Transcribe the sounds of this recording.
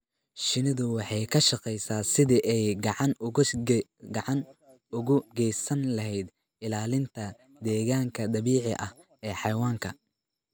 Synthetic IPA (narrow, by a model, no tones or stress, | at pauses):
ʃɪnɪðʊwɑħɑjkʰɐʃɑqɛjsaːsɪðiʔɛjɡɑʕɑn | ɡɑʕɑn | ʊɣʊɡɛjsɐnlɐɦɛjd̪ | ɪlaːlɪnt̪ʰɐ | d̪ɛːɣaːŋkʰɐd̪ɐβiːʕɪʔɐ̰h | ʔɛːħɑjwaːŋkʰɐ̰